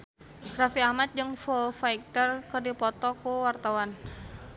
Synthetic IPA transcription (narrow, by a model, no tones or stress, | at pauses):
rafiahmat̪̚d͡ʒɨŋfɔfaik̚t̪ərkərdipɔt̪ɔkuwart̪awan